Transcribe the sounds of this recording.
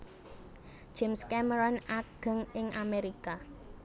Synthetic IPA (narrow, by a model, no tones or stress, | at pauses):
ʒ̥ɛmskɛməɾɔnaɡ̥ə̤ŋɪŋʔameɾika